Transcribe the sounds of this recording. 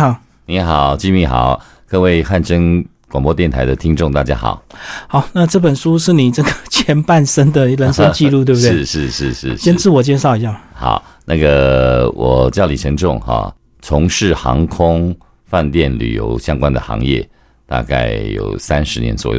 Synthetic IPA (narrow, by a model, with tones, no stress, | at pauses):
xɑ˨˩˦ | ni˧˥xɑ˨˩ʊt͡ɕi˥˧˩mi˧˩xɑ˨˩˦ʊ | kɤ˥˧we˥˧ɪxa˥˩nʈ͡ʂə˥n | kwa˨˩ŋpɔ˥t̪jɛ˥˩nt̪ʰa˧˥ɪd̪ə˨t̪ʰi˥ŋʈ͡ʂʊ˥˧ŋt̪a̰˥˩t͡ɕja̰˥xɑ̰˨˩˦ʊxɑ˨˩˦ʊna˥˧ʈ͡ʂɤ˥˩pə˨˩nʂu˥ʂɻ̩˥˩ni˨˩ʈ͡ʂɤ˥˩ɡə˩t͡ɕʰjɛ˧˥npa˥˩nʂə˥nd̪ə˨lə˧˥nʂə˥nt͡ɕi˥˧lu˥˧t̪we˥˩˧bu˧˥˧ʂɻ̩˥˧ʂɻ̩˥˧ʂɻ̩˥˩ɕɛ˥nt͡sɹ̩˥˩wɔ˨˩t͡ɕjɛ˥˧ʂ̬ɑ˥˩ʊi˧˥ɕɑ˥˩mxɑ̰˨˩˦ʊna˥˩ɡə˨˩wʔɔ˨˩t͡ɕjɑ˥˩li˨˩t͡ɕʰə˧˥ŋʈ͡ʂʊ˥˧ŋhɑ̰˨˩ | t͡sʰʊ˧˥ŋʂɻ̩˥˩xɑ̰˧˥ŋkʰʊ˥ŋ | fa˥˧nt̪jɛ˥˩nly̰˨˩jo̰˧˥ʊɕjɑ˥ŋkwa˦nd̪ə̰˨xɑ̰˧˥ŋjɛ̰˥˩ | t̪a̰˥˧ka̰˥˩ɪjo̰˨˩ʊsa˦nʂɻ̩˧˥njɛ̰˧˦nt͡swɔ̰˨˩jo̰˧˩